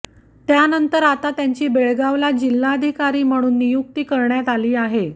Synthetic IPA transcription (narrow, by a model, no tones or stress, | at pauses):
t̪janənt̪əɾat̪at̪jaɲt͡ɕiːbeɭɡaʋlad͡ʑilːaəd̪ʱikaɾiːm̤əɽ̃uːnːijuk̚t̪ikəɾɳjat̪aliːaɦe